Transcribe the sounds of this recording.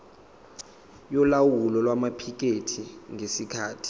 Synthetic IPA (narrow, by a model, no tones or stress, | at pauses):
jɔlawulɔlwamapʰik̬ʼetʰiŋʱesikʰaːtʰi̥